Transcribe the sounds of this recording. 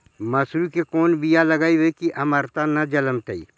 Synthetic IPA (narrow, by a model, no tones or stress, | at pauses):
mɐsɾukekoːnbijalɐɡaːiʋekiʔɐməɾt̪anɐd͡ʒɐləmt̪əḭ